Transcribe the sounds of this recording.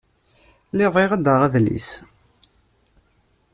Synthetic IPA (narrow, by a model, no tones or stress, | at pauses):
leðˤeʁæd̪əʁæðlḭs